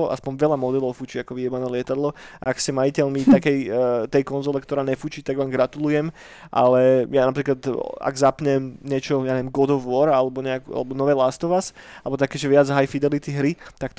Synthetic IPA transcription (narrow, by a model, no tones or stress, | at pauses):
ɔʔa̰spɔɲʋɛlamɔd̪ɛlɔʊfut͡ʃiakɔʋiɛbanɛːlɪɛt̪ad̪lɔa̰ːksɛmajicɛlmit̪akɛjt̪ɛjkɔnzɔlɛkt̪ɔɾaːɲɛfuːt͡ʃit̪aɡʋaːmɡɾat̪ulujɛm | ʔa̰lɛjanapɾiːklat̪a̰ɡzapɲɛmɲɪɛt͡ʃɔjaɲɛʋjɛmɡɔd̪ɔʋɔɾalɛbɔɲɛakua̰lɛbɔnɔʋɛːlast̪ɔʋas | alɛbɔt̪akɛːʒɛʋɪad͡zɦajfid̪ɛlit̪iɦɾit̪akt̪